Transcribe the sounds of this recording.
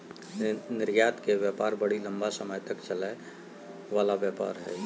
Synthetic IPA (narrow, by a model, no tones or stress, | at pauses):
nɪɾjaːt̪keʋjaːpaːɾbəɽilə̃mbasəməjt̪əkt͡ʃəlae | ʋaːlaʋjaːpa̰ːɾɦɛː